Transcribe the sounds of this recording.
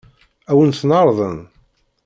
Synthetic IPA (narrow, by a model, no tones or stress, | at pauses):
æwənθnɑɾˤðˤən